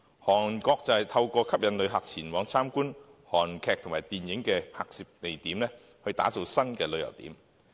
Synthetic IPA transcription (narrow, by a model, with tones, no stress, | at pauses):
hɔː˨˩nkɔː˧k̚t͡sɐ˨jt̪ʰɐ˧wkɔː˧kʰɐ˥p̚jɐ˨˧nlɵ˨˧ɥɦaː˨k̚t͡sʰiː˨˩nwɔː˨˥ŋt͡sʰaː˥mkuː˥nhɔː˨˩nkʰɛː˧k̚t̪ʰʊ˨˩ŋmaː˨˩jt̪iː˨njɪ˨˥ŋkɛː˧pʰaː˧k̚siː˧p̚t̪e˨jt̪iː˨˥mlɛː˥ | hɵ˧ɥt̪a̰ː˨˥t͡so˨˧wsɐ˥nkɛː˧lɵ˨˧ɥjɐ̰˨˩wt̪ḭː˨˥m